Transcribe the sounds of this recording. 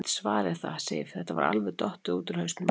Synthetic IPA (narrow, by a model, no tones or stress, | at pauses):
t̪svaːɾɪθa̰sḛjfθɛht̪ava̰ɾa̰lvɛt̪ɔht̪ʏuːt̪ɪɾ̥hœːst̪ʏm